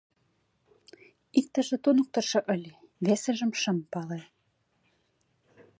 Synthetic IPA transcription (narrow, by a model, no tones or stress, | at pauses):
ik̚t̪ə̆ʒĕt̪unə̆k̚t̪ɤ̆rʃɤ̆ʔə̆lʲe | βesə̆ʒə̆mʃə̆mpɑle